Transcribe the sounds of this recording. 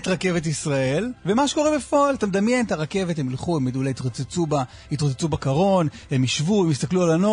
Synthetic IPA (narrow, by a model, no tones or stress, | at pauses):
t̪ʁake̞vet̪̬isʁae̞lvemaʃeko̞ʁebefoalt̪amd̪amjent̪aʁake̞vethemilχuemːed̪ulajit̪ʁot͡set͡suba | it̪ʁot͡set͡subakaʁo̞nhemiʃvuemist̪aklualano